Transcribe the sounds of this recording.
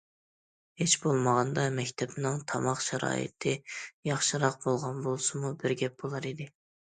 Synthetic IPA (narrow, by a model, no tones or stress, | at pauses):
het͡ʃbolˠməʁɑnd̪ɑmɛkʲt̪ʰɛpnɨŋt̪ʰɑmɑχʃɛɾɑ̰ːjɨ̰t̪ʰɪjɑχʃɨɾɑq̚bolˠʁɑnbolˠsɨmubɪɾɡʲɛp̚b̥olˠɑɾid̪ɪ